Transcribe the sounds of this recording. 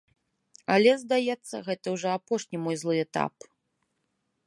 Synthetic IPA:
ɐlʲɛzd̪ajɛt̪sːɐ̰ɣɛt̪ɐwʐɔapɔʂnʲimɔjzlˠɨɛt̪a̰p

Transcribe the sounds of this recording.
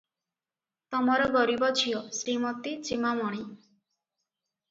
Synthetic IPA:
t̪ɔmɔɾɔɡɔɾibɔt͡ʃʰijɔsɾimɔt̪it͡ʃimamɔɽ̃i

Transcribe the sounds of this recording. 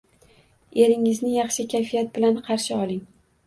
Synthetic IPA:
e̞ɾɪŋɪznɪjɑχʃɪkʲʰajfijat̪̚bɪlanqʰɑɾʃɪɒlˠɪŋ

